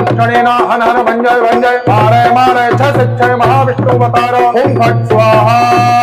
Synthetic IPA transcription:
t͡ʃʰɐɽiːnaːɦɐnɦɐnɐbʱɐɲd͡ʒɐjbɐɲd͡ʒɐjmaːɾɐjmaːɾɐjt͡ʃʰɐsitːʃʰɐjmɐɦaːbiʂʈuːbɐt̪aːɾɐkuːnkɐsʋaːɦɐ

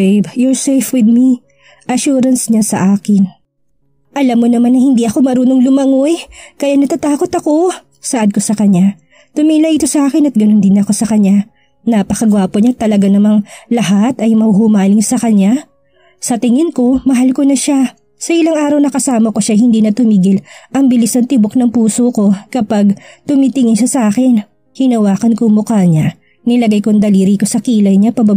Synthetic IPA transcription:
bjoɹsɛjfwɪd̪̚mi | ʔɐʃuːɾɐnsɲasɐ̰ʔaːkɪn | ʔɐlamːonɐmanːɐhɪnd̪iʔɐko̞mɐɾuːno̞ŋlʊmɐŋojkɐjanɐt̪at̪aːko̞t̪ɐko̞ | sɐʔɐd̪̚ko̞sɐkɐɲa | t̪ʊmiːlɐʔɪt̪o̞sɐʔaːkɪnɐt̪̚ɡɐno̞nd̪ɪnɐko̞sɐkɐɲa | napɐkɐɡwaːpoɲat̪ːɐlɐɡanɐmaŋlɐɦat̪ɐjmɐhʊmaːnɪŋsɐkɐɲa | sɐt̪ɪŋɪnko̞mɐɦalko̞nɐʃa | sɐʔɪlaŋaːɾɐwnɐkɐsaːmɐko̞ʃajhɪnd̪iːnɐt̪ʊmiːɡɪlʔɐŋbɪlisnɐŋt̪ɪboknɐŋpuːsoko̞kɐpaɡt̪ʊmiːt̪ɪŋɪnʃɐsɐʔaːkɪn | hɪnɐwaːkɐnkomʊkaːɲa | nɪlɐɡajkoŋd̪ɐliːɾiko̞sɐkiːlɐjɲapɐba

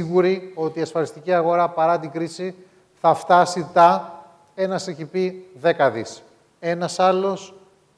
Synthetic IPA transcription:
iɣuɾio̞t̪iːɐsfɐlist̪iciɐɣo̞ɾɐpɐɾɐt̪iɡɾisi | θɐft̪ɐsit̪ɐ | e̞nɐseçipiðe̞kɐðis | e̞nɐsɐlo̞s

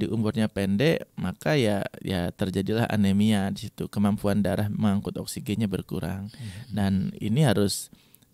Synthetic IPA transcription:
diʔumbʊrɲapɛndɛʔmakajajat̪ərd͡ʒadilaɦa̰nemiadisit̪ukəmampuandaɾahməŋaŋkʊt̪ɔksiɡeɲabərkṵɾa̰ŋdanḭniɦaɾʊs

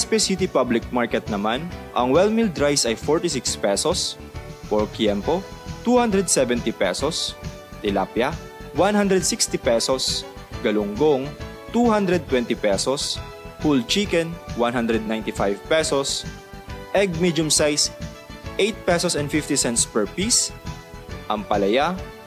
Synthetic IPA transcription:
spɛsit̪ipablɪk̚maɹkɛt̪̚nɐmanʔɐŋwɛlmild̪ɾajsɐjfɔɹt̪isɪkspɛsɔs | pɔɹkjɛmpot̪uhand̪ɾɛd̪̚sɛvɛnt̪ipɛsɔs | t̪ɪla̰pja | wanhãnd̪ɾɛd̪̚sikst̪ipɛsɔs | ɡɐlʊŋɡoŋ | t̪uhand̪ɾɛd̪̚t̪ːwɛnt̪ɪpɛsɔs | hult͡ʃikɛnwanɦand̪ɾɛd̪̚najnt̪ɪfajvpɛsɔs | ʔɛɡ̚mid͡ʒʊmsajs | ʔejt̪̚pɛsɔsɛnfift̪isɛnspɛɹpis | ʔɐmpɐlɐja

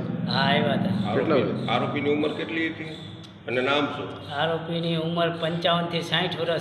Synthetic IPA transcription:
ɦaiʋat̪aalaːɾoːpiniːuməɾkeːʈliɦit̪iː | ənenaːmsṵː | aːɾoːpiniːʊməɾpə̃ɲt͡ʃaːʋənt̪ʰisãːĩʈʰoɾə

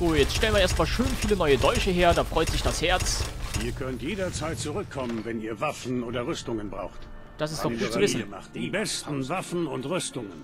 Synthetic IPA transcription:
zoːjɛt͡stʃtɛlənviɐeːɐst̚maːlʃøːnfiːlənɔʏədɔʏʃəɦeːɐdaːfʁ̥ɔʏtz̥ɪçd̥ashɛɐt͡siːɐkʰœntjeːdɐt͡saɪt̚t͡suʁʏkʰːɔmənvɛniːɐvafn̩ʔoːdɐʁʏstʊŋənbʁa̰ʊxt | d̥asɪstd̥ɔɡuːtt͡svɪnibɛstn̩vafn̩ʊntʁʏstʊŋən

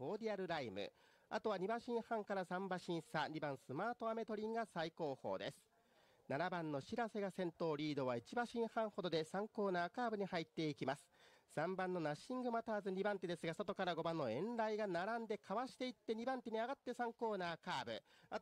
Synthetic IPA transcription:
oːd̪ʲiaɾɯ̟ɾaimɯ̟̰ | a̰t̪o̞β̞aɲ̟ibaɕĩɰ̃hãŋkaɾasãmbaɕĩɰ̃saɲ̟ibãɰ̃sɨmaːt̪o̞ame̞t̪o̞ɾʲĩŋɡasaiko̞ːho̞ːd̪e̞̰sɨ̥ | naɾabãnːo̞ɕiɾase̞ɡasẽ̞nt̪o̞ːɾʲiːd̪o̞βait͡ɕibaɕĩɰ̃hãɰ̃ho̞d̪o̞d̪e̞sãŋko̞ːnaːkaːbɯ̟ɲ̟ihait̪ːe̞ikʲimasɨ̥sãmbãnːo̞naɕĩŋɡɯ̟mat̪aːzɨɲ̟ibãnt̪ed̪e̞sɨɡaso̞t̪o̞kaɾaɡo̞bãnːo̞ẽ̞nɾaiɡanaɾãnd̪e̞kʰaβaɕi̥t̪e̞it̪ːe̞ɲ̟ibãnt̪eɲ̟iaɡat̪ːe̞sãŋko̞ːnaːkaːbɯ̟̰a

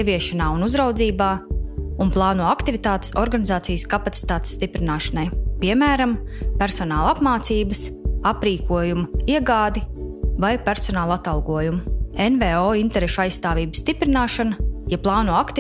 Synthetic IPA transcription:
ɛviɛʃanaːunuzɾawd̪ziːbaːunplˠɑːnuɔakt̪ivʲit̪aːt̪e̥sɔɾɡanizaːt̪sijskapat̪si̥t̪aːt̪e̥sːt̪ipɾinaːʃɐnajpiɛmæːɾampæɾsɔnaːlˠapmaːt̪siːbəsapɾiːkʰuɔjumuiɛɡaːd̪ivajpʲæɾsɔnaːlˠat̪ɑlˠɡuɔjumuenvɛɔint̪ɛɾeʃajssːt̪aːvʲiːbsst̪ipɾinaːʃanɐjaplˠɑːnuɔakt̪i

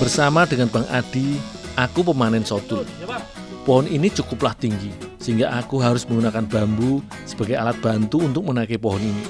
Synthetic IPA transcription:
b̥ərsamad̪̥əŋanb̥a̤ŋʔa̰d̪̥i̤akupəmanɛnsot̪u | pɔɦɔninit͡ʃukʊplaht̪iŋɡisiŋɡaʔːkuɦaɾʊsməŋɡunakanb̥a̤mbu | sə̥b̥a̤ɡealat̪̚b̥a̤nt̪uːnt̪ʊk̚mənakepɔɦɔnini

